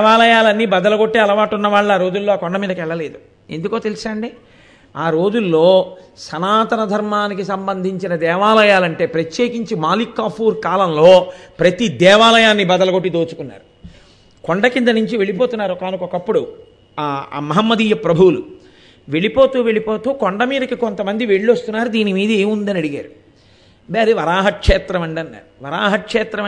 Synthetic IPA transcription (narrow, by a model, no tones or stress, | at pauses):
ʋaːlɐjaːlɐnːibɐd̪ɐlɐɡo̞ʈːeːɐlɐʋaːʈunːɐʋaːɭːaːɾo̞ːd͡ʒulːo̞ːaːkɔɳɖɐmiːd̪ɐkɛɭːɐle̞ːd̪u | e̞̰nd̪uko̞ːt̪e̞lisaːɳɖi | aːɾo̞ːd͡ʒulːo̞ːsɐnaːt̪ɐnɐd̪ʱɐɾmaːnikisɐmbɐnd̪ʱiɲt͡ʃinɐd̪ɛːʋaːlɐjaːlɐɳʈe̞ːpɾɐt̪je̞ːkiɲt͡ʃimaːlikːaːpʰuːɾkaːlɐmlo̞ːpɾɐt̪id̪ɛːʋaːlɐjaːnːibɐd̪ɐlɐɡo̞ʈːid̪oːt͡ʃu̥kunːa̰ːɾu | koɳɖɐkind̪ɐnuɲt͡ʃiʋe̞ɭipoːt̪unːaːɾukaːnukɔkɐpːuɽu | a̰mɐɦɐmːɐd̪iːjɐpɾɐbʱuwulu | ʋe̞ɭipo̞ːt̪uːʋeɭipo̞ːt̪uːkoɳɖɐmiːd̪ɐkikont̪ɐmɐnd̪iʋe̞ɭːost̪unːaːɾud̪iːnimiːd̪ɐeːmund̪ɐnɐɽiɡa̰ːɾu | beːɾiʋɐɾaːɦɐkʂɛːt̪ɾɐmɐɳɖɐnːa̰ːɾuʋɐɾaːɦɐkʂɛːt̪ɾɐ